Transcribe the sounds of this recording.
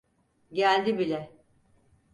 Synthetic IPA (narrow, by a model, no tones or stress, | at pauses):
ɟælʲd̪ibilʲɛ